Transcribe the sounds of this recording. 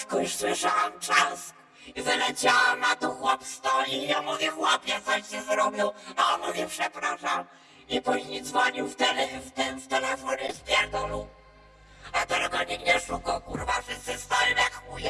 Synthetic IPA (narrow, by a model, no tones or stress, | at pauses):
kɔjuʂswɪʂawamt͡ʂask | izalɛt͡ɕawamat̪ɔxwɔpst̪ɔjiɔmuvʲjɛxwɔpʲjɛt̪sɔɕɛzɾɔbʲjɔwaɔnmuvʲjɛpʂɛpɾaʂam | ipuʑɲejd̪zvɔɲiwft̪ɛlɛft̪ɛnft̪ɛlɛfɔɲɛspʲjɛɾd̪ɔlu | at̪ɔɾɛɡɔɲiɡɲɛʂukɔkuɾvaʂɨsɛst̪awɛmakujɛ